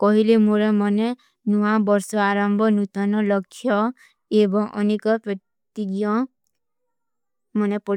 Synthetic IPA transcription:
kɔɦilemoɾemɔne | nuʋãbɔɾsɔaɾɔmbʱɔnut̪ɔnɔlɔkʰjɔ | ebɔŋʔɔ̰nekɔpɾɔ | t̪iɡjɔ̃ | mɔnepɔ

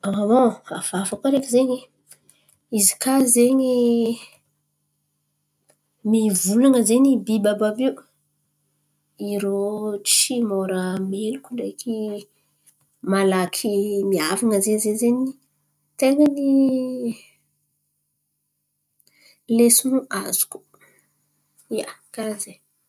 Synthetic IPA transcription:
aawoav̥afakaɾekʲizeɲi | izi̥kazeɲi | mivulaŋəzeɲibibababiu | iɾot͡ʃimoɾamelukʲuɳɖ͡ʐeki | malakʰimiavaŋəzezezeɲi | t̪eŋəni | lesunuazu̥ku̥ | ija̰kaze

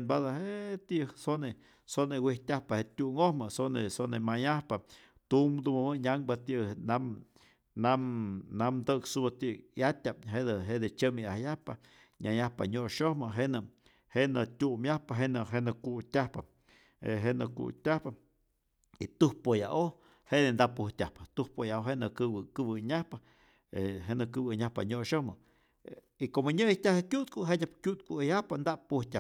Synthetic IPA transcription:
enbad̪aɦet̪iʔsone | sonewihtʲahpahet̪ʲuŋohmɨsonesonemajahpa | t̪umd̪umamɨɲʲaŋbat̪ina | namnamd̪əksubat̪ijat̪ʲap̚ɦed̪ɨɦed̪et͡ʃəmiahjahpa | ɲʲajahpa̰ɲoʔʃohmɨɦeʔnɨ | henɨt̪ʲumjahpaɦenɨɦenɨkutʲahpa | ḛɦenɨkṵtʲahpa | it̪uhpojaʔo | heʔd̪end̪aʔpuhtʲahpḁt̪uhpojaoɦeʔnɨkɨwɨkɨbɨɲahpa | eɦenɨkɨbɨɲahpa̰ɲoʔʃohmɨ | ikomoɲɨjit̪ʲahekʲjuʔt̪kuɦedʲapkʲut̪kujahpand̪aʔpuhtʲa

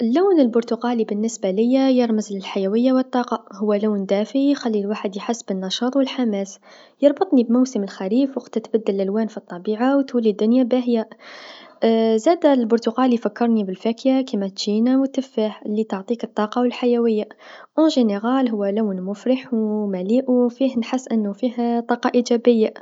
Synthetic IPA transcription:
ʔəlːawnəlbʊɾt̪ʊqɑlibənːəsbaləjːajəɾməzləlħajæwəjːawət̪ˤːɑːqɑhʊwːælawnd̪æfʕixælːilwaħəd̪jħasːbənːɑʃɑːt̪ˤwəlħamæs | jɑɾˤbɑt̪ˤnibmawsəməlxæɾiːfwəqt̪ːət̪bæd̪ːəlʔælwænfit̪ˤːɑbiʕawt̪wəlːid̪ːʊnjabæhja | zæd̪lbʊɾt̪ʊqɑlijfækːəɾˤnibəlfækjakimæt̪ʒ̥inawt̪əfːaħlːit̪oʕt̪ˤikət̪ˤːɑqɑwəlħajæwəjːaʔõʒeneɣælɦʊwːælawnmʊfɾəħwmæliʔwfihnħəsːʔənːʊfiht̪ˤɑqɑʔiʒæbəjːa

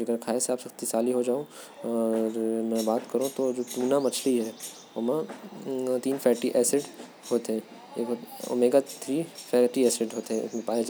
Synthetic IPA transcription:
ɐɡəɾkʰaːeseaːpsɐxt̪isaːliɦod͡ʒaːõ | ɔːɾmɛ̃ːbaːt̪kɐɾũt̪od͡ʒoːt̪uːnamɐt͡ʃʰliɦɛ | omã | t̪iːnfʰɛːʈiʔɛːsɪɖ | hoːt̪ɦɛ̃ | eːkoo̰meːɡat̪ʰɾiːfʰɛːʈiɛːsɪɖɦoːt̪eɦɛ̰̃mẽpaːed͡ʒ

